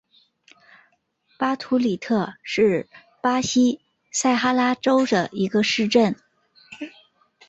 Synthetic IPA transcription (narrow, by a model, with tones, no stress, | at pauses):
pa˥t̪ʰu˧˥li˨˩t̪ʰɤ˥˧ʂɻ̩˥˩ | pa˥ɕi˥ | sa˥˩ɪxa˥la˥ʈ͡ʂo˥ʊd̪ə˨i˧˥ɡə˧ʂɻ̩˥˧ʈ͡ʂə˥˩n